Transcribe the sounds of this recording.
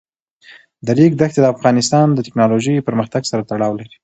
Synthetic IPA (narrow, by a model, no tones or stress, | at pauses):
d̪əɾiɡd̪axt̪ed̪əafɣɑnɪst̪ɑnd̪ətɪ̥knɑloʒəjpəɾməxt̪aɡsaɾat̪aɽɑwlaɾi̥